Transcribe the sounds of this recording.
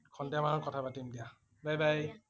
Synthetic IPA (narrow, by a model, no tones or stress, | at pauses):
kʰɔndiamanɔkɔtʰapatimdija | bajbaj